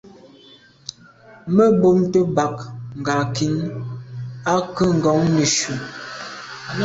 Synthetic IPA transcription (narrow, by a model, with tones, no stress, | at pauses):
mə˦bo˦mtə˦ba˨kŋ̩˨ɡa˨ki˨˦n | a˦kə˦ŋ̩˨ɡɔ˨˦ŋnə˨ʃu˨